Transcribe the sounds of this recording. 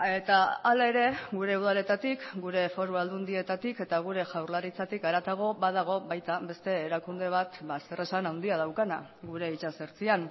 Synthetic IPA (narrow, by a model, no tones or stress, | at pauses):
e̞t̪aalae̞ɾe̞ɡuɾe̞uðale̞t̪at̪ikɡuɾe̞fo̞ɾuald̪und̪ie̞t̪at̪ike̞t̪aɣ̞uɾe̞ʝawɾlaɾit͡sat̪ikaɾat̪aɣ̞o̞bað̞aɣ̞o̞βajt̪aβe̞st̪e̞ːɾakund̪e̞β̞at̪basere̞sanawnd̪iað̞awkana̰ɣuɾe̞it͡ʃaseɾt͡sian